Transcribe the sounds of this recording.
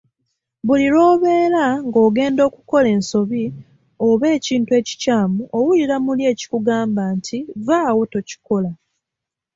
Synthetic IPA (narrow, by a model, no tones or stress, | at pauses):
βuliɾo̞ːβe̞ːɾaŋɡo̞ːɡe̞ːndo̞ːkuko̞le̞ːnso̞βi | oβe̞ːciːntue̞ːci̥caːmuʔowuliɾamulje̞ːci̥kuɡaːmbaːntʰivaːwo̞to̞ci̥ko̞la